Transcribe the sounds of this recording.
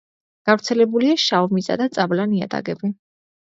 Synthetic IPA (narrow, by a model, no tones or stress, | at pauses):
ɡ̥avɾt̪sʰɛlɛbuliaʃaɔmisa̰d̪at̪sʼablania̰t̪ʼa̰ɡɛbi